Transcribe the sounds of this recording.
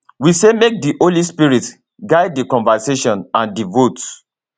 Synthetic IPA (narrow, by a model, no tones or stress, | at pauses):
wisemek̚diʔolispiɹit | ɡaɪdikɔ̃nvaseʃɔ̃nãndivot